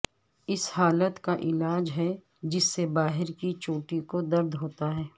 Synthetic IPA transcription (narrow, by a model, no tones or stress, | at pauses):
ɪshaːlət̪kaʔɪlaːd͡ʒɦɛ | d͡ʒɪsːebaːɦɪɾkit͡ʃoːʈikod̪ɐɾd̪ʱɦoːt̪aɦɛː